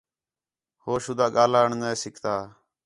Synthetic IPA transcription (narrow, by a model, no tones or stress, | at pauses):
hoːʃʊd̪aːɠaːlaːəɳneːsɪkʰt̪aː